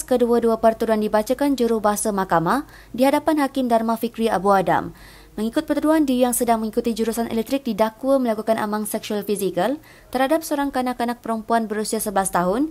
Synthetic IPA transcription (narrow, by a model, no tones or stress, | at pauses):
skəduəduəpərt̪uduandibat͡ʃakand͡ʒuɾʊhbaɦasamakama | diɦadapanɦakɪmdarmafikɾia̰buada̰mː | ə̃ŋikʊt̪̚pərt̪uduandijaŋsədaŋmə̃ŋikut̪id͡ʒuɾusanʔɛ̰lɛk̚t̪ɾɪk̚didakwəməlakukanʔa̰maŋsɛksualfisikəl | t̪ərhadap̚səoɾaŋkanãkanak̚pəɾəmpuanbəɾusiasəbəlast̪aɦʊn